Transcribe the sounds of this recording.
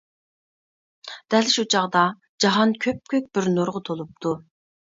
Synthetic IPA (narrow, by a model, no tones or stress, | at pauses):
d̪̥ɛlʃut͡ʃʰɑʁd̪ɑ | d͡ʒɑɦɑnkʲʰøp̚kʲøk̚ʲbɪɾnoɾʁət̪ʰolˠup̚t̪ʰu